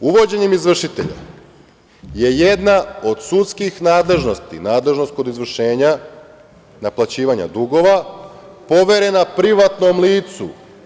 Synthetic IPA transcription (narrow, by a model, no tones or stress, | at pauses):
uʋo̞d͡ʑe̞ɲemizʋr̩ʃit̪e̞̰ʎa̰ | je̞jed̪nao̞d̪sut̪skixnaːd̪le̞ʒnost̪ḭnaːd̪le̞ʒnost̪̚kod̪izʋr̩ʃe̞ːɲa | naplat͡ɕiːʋaɲa̰d̪uɡo̞ʋa | po̞ʋe̞ɾe̞napɾiʋat̪nomliːt̪sṵ